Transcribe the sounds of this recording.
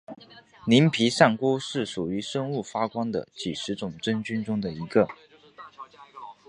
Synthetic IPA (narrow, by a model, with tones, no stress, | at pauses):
ni˧˥npʰi˧˥ʂa˥˩ŋku˥ʂɻ̩˥˩ʂu˨˩y˧˥ʂə˥ŋu˥˩fa˥kwɑ˥ŋd̪ə̰˨˩t͡ɕi˨˩ʂɻ̩˧˥t͡sʊ˨˩ŋʈ͡ʂə˥nt͡ɕy˥nʈ͡ʂʊ˥ŋd̪ə˨i˧˥ɡə˧